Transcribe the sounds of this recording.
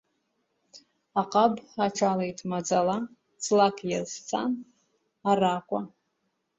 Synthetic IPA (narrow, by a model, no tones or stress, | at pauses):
aqʼabaʈ͡ʂʰalejtʰʼmad͡zala | t͡sʰʼlakʰʼjast͡sʰa̰n | arakʷʼa